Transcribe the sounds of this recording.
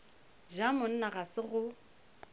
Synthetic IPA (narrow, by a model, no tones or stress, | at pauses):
ʒamʊn̩naɣasɪɣʊ